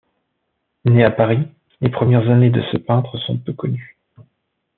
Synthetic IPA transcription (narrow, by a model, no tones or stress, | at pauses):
neapaʁi | lepχəmjɛʁzaned̪əsəpɛ̃t̪χəsɔ̃pøkɔny